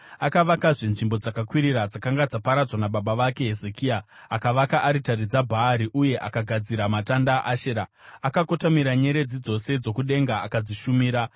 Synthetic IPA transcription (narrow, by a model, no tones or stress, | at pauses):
akaʋakaʐenʐimbo̞d͡zakakwiɾiɾad͡zakaŋɡad͡zapaɾad͡zwanaɓaɓaʋake̞ɦe̞ze̞kiaakaʋakaʔaɾitaɾid͡zabʱaːɾiʔuje̞ʔakaɡʱad͡ziɾamatandaʔaʃeɾaakako̞tamiɾaɲe̞ɾe̞d͡zid͡zo̞se̞d͡zo̞kuɗe̞ŋɡaakad͡ziʃumiːɾa